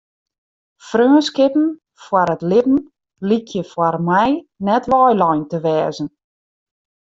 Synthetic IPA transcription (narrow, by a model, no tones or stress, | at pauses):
frøːnskɪpən̩ | fwaɾətlɪpn̩ | likʰjəfwarmɛjnɛtʋɔjlɔjntəʋɛːzən